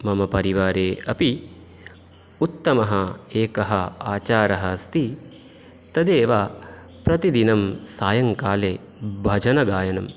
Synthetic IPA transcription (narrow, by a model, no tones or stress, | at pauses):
mɐmɐpɐɾiʋaːɾeːɐpi | ut̪ːɐmɐɦɐeːkɐɦɐaːt͡ʃaːɾɐɦɐst̪i | t̪ɐd̪eːʋaː | pɾɐt̪id̪inɐmsaːjɐŋkaːleː | bʱɐd͡ʒʱɐnɐɡaːjɐnɐm